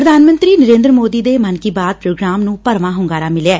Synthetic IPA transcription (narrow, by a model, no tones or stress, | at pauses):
pɾəd̪ʱaːnmə̃nt̪ɾiːnəɾẽːnd̪ɾəmoːd̪iːd̪eːmənkiːbaːd̪̚pɾoːɡɾaːmnũːpəɾʋãːɦʊŋɡaːɾaːmɪlɛː